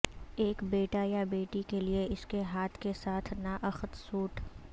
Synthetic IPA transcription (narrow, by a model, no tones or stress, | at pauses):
eːkbeːʈajabeːʈikelieɪskeɦaːt̪ʰkesaːt̪ʰnaːʔɐxət̪suːʈʰ